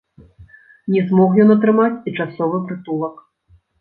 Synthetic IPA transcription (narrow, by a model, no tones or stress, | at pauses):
nʲɛzmɔxjɔnɐt̪ɾɨmat͡sʲit͡ʂasɔvɨpɾɨt̪ulˠɐk